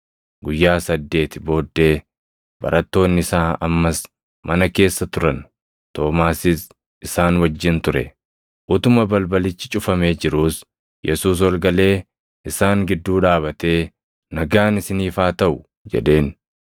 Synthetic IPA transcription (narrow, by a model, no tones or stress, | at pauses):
ɡʊjːaːsɐd̪ːe̞ːt̪ɪbo̞ːd̪ːe̞ː | bɐ̰ɾɐt̪ːo̞ːnːɪɪsaːɐmːɐs | mɐnɐke̞ːsːɐt̪ʊɾɐn | t̪o̞ːmaːsɪs | ɪsaːnwɐd͡ʒːɪnt̪ʊɾɛ̰ | ʔʊt̪ʊmɐbɐlbɐlɪt͡ʃːɪt͡ʃʼʊfɐme̞ːd͡ʒɪɾuːs | jɛsuːs̬wɐlɡɐle̞ː | ʔɪsaːŋɡɪd̪ːuːᶑaːβɐt̪e̞ː | nɐɡaːnɪsɪniːfaːt̪ɐʔʊ | d͡ʒɛ̰ᶑe̞ːn